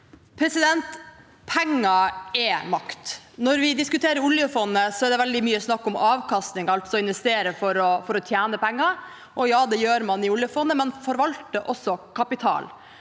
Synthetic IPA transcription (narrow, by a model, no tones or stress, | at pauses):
pʰɾɛsɪd̪ɛnt̪ | pʰɛŋːɑɛmɑkt̪nɔɾʋɪd̪ɪskʉt̪ʰeːɾəɾʊljəfɔnːəsɔɛd̪ɛʋɛld̪ɪmyːəsnɑkːɔmɑːʋkʰɑst̪nɪŋɑlt̪sɔɪnʋɛst̪eːɾəfɔɾɔfɔɾɔt̪ʰjæːnəpɛŋːɑ | ʔɔjɑːd̪ɛjøːɾmɑnɪʊljəfɔnːəmɛnfɔɾʋɑlt̪əʔɔsːɔkʰɑpɪt̪ʰɑ̰ːl